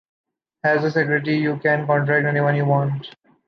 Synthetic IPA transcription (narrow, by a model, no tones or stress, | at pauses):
æzəs̬ɪkjɔɾɪʈ̬ijuːkɛ̃nkɔ̃ɳʈɾæk̚ʈɛniʋʌ̃njuːʋɔ̃ːɳʈ